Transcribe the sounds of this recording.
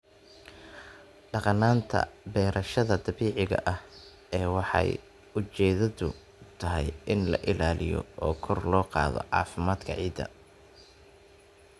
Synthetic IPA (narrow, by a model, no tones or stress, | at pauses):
ɖɑqɑnːaːnt̪ʰɐ̰bɛːɾʔɐʃɐðɐd̪ɐβiːʕɪɣɐ̰ʔɐh | ɛːwɑħɑ̰j | ʊt͡ʃɛːðɐðʊ | t̪ʰɐɦɛjɪnlɐ̰ʔɪlaːlɪjɔ̰ɔːkʰɔrlɔːqɑ̰ːðɔ̰ʕɑ̰ːfɪmaːd̪kʰɐʕiːd̪ːɐ̰